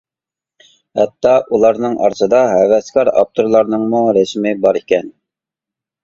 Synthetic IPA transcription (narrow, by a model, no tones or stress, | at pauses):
hɛt̪ʰːɑʔulˠɑɾnɨŋʔɑ̰ɾsɨd̪ɑɦɛvɛskɑɾɑ̰p̚t̪ʰoɾlˠɑɾnɨŋmuɾɛsmɪbɑɾikʲɛn